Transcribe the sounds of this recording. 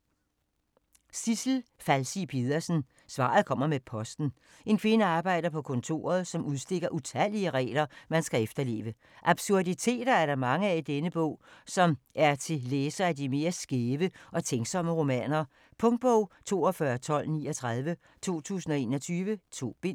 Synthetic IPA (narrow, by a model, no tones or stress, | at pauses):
sisl̩fælsipʰeð̞ˠɐsn̩ | sʋɑ̰̈ð̞̩ˠkʰɒ̽m̰ɐmepʰɒ̽sd̥n̩ | e̝nkʰʋe̝nəɑ̈ːb̥ɑ̈ɪ̰d̥ɐpʰɒ̽kʰɔ̽nt͡sʰo̝̰ːɐð̞ˠsɒ̽mʔuð̞ˠsd̥e̝ɡ̥ɐʔut͡sʰæl̰iəʁɛ̰ːlɐmænsɡ̥æefd̥ɐle̝̰ːʋə | ʔɑ̈b̥suɐdit͡sʰe̝̰ːd̥ɐæɐɾɑ̈mɑ̈ŋəæid̥enəb̥ɔ̰̽ʊ̰sɒ̽mʔæɐt͡sʰe̝leːsɐædime̝ːɐsɡ̥eːʋəʔɒ̽t͡sʰeŋɡ̥sɒ̽məʁo̝mɛ̰ːnɐ | pʰɔ̽ŋd̥̚b̥ɔʊ̰t͡sʰo̝̰ːɒfɶːɐt͡sʰɒ̽l̰nḭːɒt͡sʰʁað̞ˠʋə | t͡sʰo̝̰ːt͡sʰṵːsn̩ɒ̽e̝ːnɒ̽t͡sʰyːʋət͡sʰo̝̰ːb̥e̝